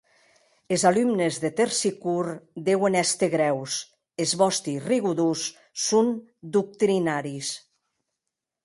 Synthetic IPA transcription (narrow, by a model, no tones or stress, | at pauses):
ezalymnezðet̪eɾsikuɾd̪ewenɛst̪eɣɾɛws | ezβɔst̪iriɣuðusː | un | d̪uk̚t̪ɾinaɾis